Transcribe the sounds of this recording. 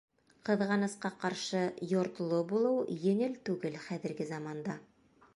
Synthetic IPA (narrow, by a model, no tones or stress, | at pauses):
qɤ̆ðʁɑnɤ̆sqɑqɑɾʃɤjŏɾt̪ɤ̆lˠobulˠɤwjɵ̆ŋɘlt̪ʉɡɘlχæðɘ̆ɾɡɘzɑmɑnd̪ɑ